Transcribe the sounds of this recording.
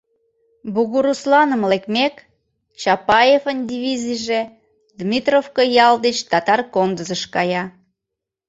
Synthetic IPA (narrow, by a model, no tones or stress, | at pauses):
buɣuɾuslɑnəmlekmek | t͡ɕɑpɑjefənd̪ʲiβʲizijʒe | d̪mʲit̪rofkojɑld̪et͡ɕt̪ɑt̪ɑrkond̪əzəʃkɑjɑ